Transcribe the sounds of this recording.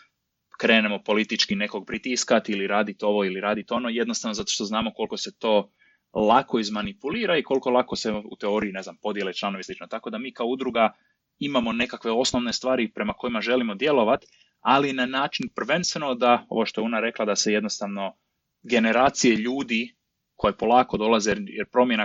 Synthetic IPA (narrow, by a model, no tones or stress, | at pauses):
kɾe̞ːne̞mo̞po̞lit̪it͡ʃkine̞ko̞ɡ̚pɾit̪iskat̪iliɾaːd̪it̪o̞ʋo̞iliɾaːd̪it̪o̞no̞jed̪nost̪aʋnozat̪oʃt̪o̞znaːmo̞ko̞lˠko̞se̞t̪o̞ː | lako̞izmanipuliːɾaikolko̞lˠako̞se̞ṵt̪eo̞ɾiine̞znampo̞d̪je̞let͡ʃlˠano̞ʋislit͡ʃnot̪ako̞d̪amiːkaoud̪ɾuɡa | imamo̞ne̞kakʋe̞o̞sno̞ʋne̞st̪ʋaːɾipɾe̞mako̞imaʒe̞limo̞d̪je̞lo̞ʋat̪ | alinanaːt͡ʃinpr̩ʋe̞nst̪ʋe̞no̞d̪ao̞̰ʋo̞ʃt̪oeunaɾe̞klˠad̪ase̞je̞d̪nost̪aʋno̞ | ɡe̞ne̞ɾaːt̪sije̞ʎuːd̪i | ko̞jepo̞lˠaːko̞d̪o̞lˠazejeɾpɾo̞mjena